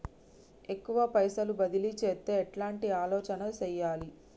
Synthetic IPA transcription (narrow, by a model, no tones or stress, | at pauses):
e̞kːuʋɐpɐjsɐlubɐd̪ilit͡ʃeːt̪ːeːʈlaːɳʈiaːlɔːt͡ʃɐnɐt͡ʃɛjːaːli